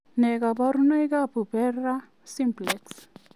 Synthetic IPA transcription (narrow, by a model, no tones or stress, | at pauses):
neɡabaɾunojɡapupeɾa | simpleks